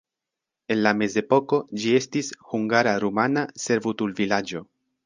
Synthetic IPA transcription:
e̞nlame̞ze̞po̞ko̞d͡ʒie̞stishuŋɡaɾaɾumanase̞ɾvutulvilad͡ʒo̞

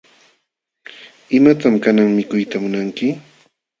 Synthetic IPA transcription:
ɪmat̪amkanaŋmɪkʊjt̪amʊnaŋkɪ

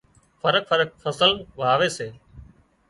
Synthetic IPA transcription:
fəɾək̚fəɾək̚fəsəlʋɦaːʋeːseː

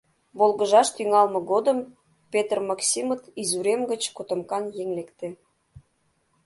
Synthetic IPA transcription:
βolɣəʒɑʃt̪yŋɑlmə̆ɣod̪əm | pet̪rmɑksʲimət̪izuɾemɡət͡ɕkot̪ə̆mkɑnjeŋlekt̪ĕ

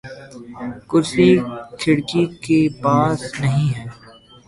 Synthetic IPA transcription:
kʊsikʰɪɽkikepaːsnɐɦĩɦɛː

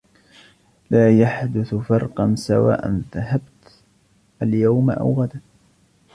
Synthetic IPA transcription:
laːjaħd̪ʊθfɑɾˤqɑnsawa̰ːʔa̰nðaɦabt̪ | ʔaljawmaʔa̰wɣad̪a

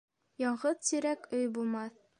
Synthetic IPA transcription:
jɒɴʁɤðsiɾækɵjbulˠmɑθ

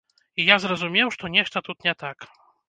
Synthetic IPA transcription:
ijazɾɐzumʲɛwʂt̪ɔnʲɛʂt̪ɐt̪ut̪nʲɛt̪ak

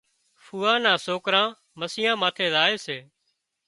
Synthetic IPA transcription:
fʰuːãːnãːsoːkɾãː | məsɪjãːmaːt̪ʰeːzaːeːseː

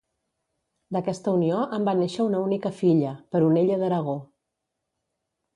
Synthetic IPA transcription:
d̪əkɛst̪əunioʔəmbaneʃəunəunikəfiʎəpəɾuneʎəðəɾəɣ̞o

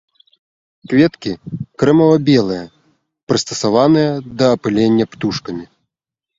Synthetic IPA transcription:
kvʲɛt̪kʲikɾɛmɐvɐbʲɛlˠɨjɐ | pɾɨst̪ɐsavanɨjɐd̪ɐːpɨlʲenʲːɐpt̪uʂkɐmʲi

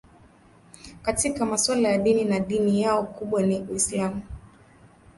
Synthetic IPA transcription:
katikamaswalajaɗininaɗinijaɔkuɓwaniwislamu

